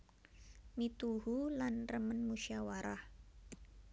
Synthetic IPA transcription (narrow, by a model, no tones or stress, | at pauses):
mit̪uɦulanrəmənmuʃawaɾah